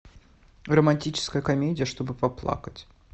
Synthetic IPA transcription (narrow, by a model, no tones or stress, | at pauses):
rəmɐnʲtʲit͡ɕɪ̥skəjəkɐmʲedʲɪjəʂt̪o̞bɨpɐplˠa̰kətʲ